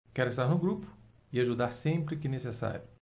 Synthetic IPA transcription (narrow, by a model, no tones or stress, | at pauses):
kɛɾʊest̪aɾnʊɡɾupʊ̥ | ɪaʒud̪aɾsẽmpɾɪkɪnesesa̰ɾjʊ